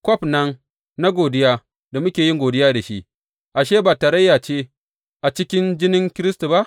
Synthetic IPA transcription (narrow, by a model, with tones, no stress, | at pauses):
kʷɔ˦pnɐ˦ŋ | na˦ɡʷoː˨dɪ˦jaː˦ | da˨mʊ˦kʲeː˨ji˦ŋɡʷoː˨dɪ˦jaː˦da˨ʃi˦ʔ | ʔa˨ʃeː˦baː˨taː˨ɾɐ˦jːaː˨t͡ʃeː˦ | ʔa˨t͡ʃɪ˦kʲɪ˦nd͡ʒɪ˦nɪ˦ŋkʲɪ˦ɾɪ˦stu˨ba˦ʔ